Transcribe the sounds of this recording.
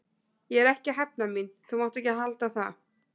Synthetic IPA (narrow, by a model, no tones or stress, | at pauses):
jɛɛɾɛhcɪɦɛp̚naminθumawht̪ɛhcɪɦalt̪aθa̰